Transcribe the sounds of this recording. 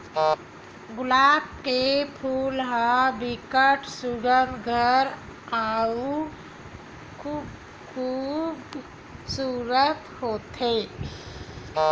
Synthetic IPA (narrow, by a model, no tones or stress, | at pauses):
ɡʊlaːb̚kepʰuːlɦabɪkəʈʰsʊɡəɾɡʱəɾau | kʰ | kʰuːb | suːɾət̪hoːt̪ɦe